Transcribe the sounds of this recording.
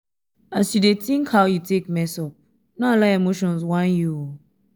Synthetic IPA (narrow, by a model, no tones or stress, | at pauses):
asudetĩŋkʰhawjutekmɛsɔp̚ | nalaemoʃɔ̃nzwãnju